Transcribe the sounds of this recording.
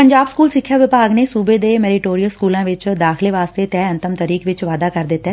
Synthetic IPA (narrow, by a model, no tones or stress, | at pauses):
pə̃ɲd͡ʒaːbskuːlsɪkʰːjaʋɪpaːɡnesuːbed̪emɛːɾɪʈoːɾijəlskuːlãːʋɪt͡ʃd̪aːxʰɪleʋaːst̪et̪ɛːɐ̃nt̪əmt̪əɾiːkʋɪt͡ʃʋaːd̪akəɾd̪ɪt̪ːɛ